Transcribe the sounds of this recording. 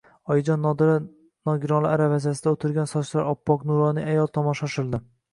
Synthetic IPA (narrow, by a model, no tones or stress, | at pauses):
ɒjɪd͡ʒɒnːɒd̪ɪɾa | nɒɡʲɪɾɒlˠɪaɾavazas̬ɪd̪aot̪ʰɪɾɡʲansɒt͡ʃlaɾɒpʰːɒqnuɾɒnɪŋajɒlˠt̪ʰɒmɒʃɒʃɪɾd̪ɪ